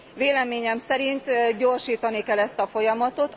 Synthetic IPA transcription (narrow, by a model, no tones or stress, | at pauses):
veːlɛmeːɲɛmsɛɾint̪ɟo̞rʃiːt̪ɒnikɛlːɛst̪ɒfo̞jɒmɒt̪o̞t̪